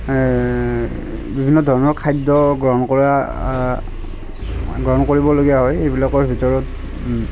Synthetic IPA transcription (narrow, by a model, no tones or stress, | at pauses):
bibʱinːɔdʱɔɹɔnɔɹkʰajdɔɡɹɔɦɔnkɔa | ɡɹɔɦɔnkoɹibɔloɡijaɦɔjxejbilakɔɹbʱitɔɹɔt